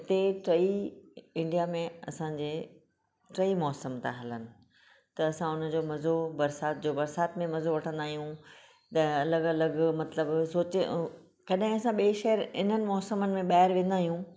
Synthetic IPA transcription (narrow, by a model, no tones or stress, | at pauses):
t̪eːʈɾɐiɪ̃ɳɖijamẽɐ̰sãːd͡ʑeː | ʈɾɐimɔːsəmt̪a̰ɦɐlənɪ̆ | t̪ɐːsãʊn̤ə̆d͡ʑoːmɐzobɐɾsaːt̪̚d͡ʑoːbɐɾsaːt̪mẽmɐzoʋɐʈʰə̃nd̪aːɦijũ | t̪ɐɐləɡɐləɡmɐt̪ləbsoːt͡ɕ | kɐɗɦɪ̃ɐsãɓiːʃɛɦəɾɪ̰nənɪ̆mɔːsəmənɪ̆mẽɓaːɦɪɾʋẽːn̆d̪aːɦijũ